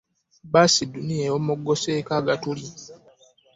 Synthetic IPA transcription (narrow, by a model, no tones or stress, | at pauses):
basidunijejomoɡːoseːkaːɡatuli